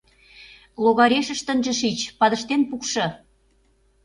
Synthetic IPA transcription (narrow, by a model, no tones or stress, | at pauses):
loɣɑɾeʃə̆ʃt̪ənʒə̆ʃit͡ɕpɑðə̆ʃt̪enpukʃɤ̆